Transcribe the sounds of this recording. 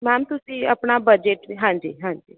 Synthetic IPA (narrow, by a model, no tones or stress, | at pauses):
mɛːmt̪ʊsĩːə̰pnaːbəd͡ʒeʈɦãːɲd͡ʒiːɦãːɲd͡ʒiː